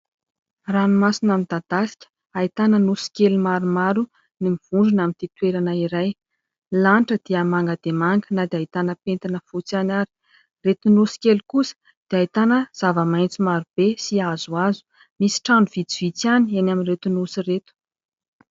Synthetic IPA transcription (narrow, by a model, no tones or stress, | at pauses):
ranumasinamind̪̥ad̪̥asi̥kʲə̥ | ait̪anənusi̥kʲelumaɾumaɾu | nimiv̥uɳɖ͡ʐunamint̪it̪weɾanəiɾaj | lanʈ͡ʂəd̪̥iəmaŋɡad̪̥emaŋɡənad̪eait̪anəpent̪inəfut͡sanaɾi̥ | ret̪unusi̥kʲelukusə̥ | d̪̥eait̪anəz̥avəmajnt͡simaɾub̥esiazuazu̥ | misi̥ʈ͡ʂaɳuv̥id͡z̪iv̥it͡sanienaminɾet̪unusiret̪u̥